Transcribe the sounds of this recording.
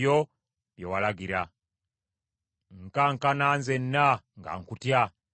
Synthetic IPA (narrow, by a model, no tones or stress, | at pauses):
jo | βjewalaɡiɾa | ŋkaŋkanaːnzenːaŋɡa̰ŋkutja